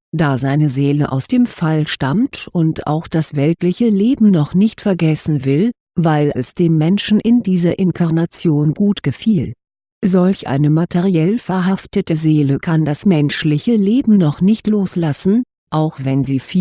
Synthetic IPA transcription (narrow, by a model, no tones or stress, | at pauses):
d̥aːzaɪnəzeːləʔa̰ʊsd̥eːmfalʃtamtʔʊntʔa̰ʊxd̥asv̥ɛltlɪçəleːbm̩nɔχnɪçtfɛɐɡɛsn̩vɪl | vaɪlɛsd̥eːmːɛnʃn̩ʔɪndiːzɐʔɪnkʰaʁnat͡sjoːnɡuːtɡ̥əfiːl | zɔlçʔa̰ɪnəmatʰeʁiɛlfɛɐɦaftətəzeːləkʰandasmɛnʃlɪçəleːbm̩nɔχnɪçtloːslasn̩ | ʔaʊxv̥ɛnziːfiː